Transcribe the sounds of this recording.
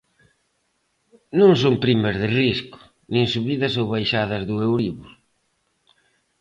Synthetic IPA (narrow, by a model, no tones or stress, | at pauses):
nõŋsoŋpɾimɐzðɪriskʊ̥ | nĩŋsuβiðɐsowβajʃaðɐzðʊewɾiβʊ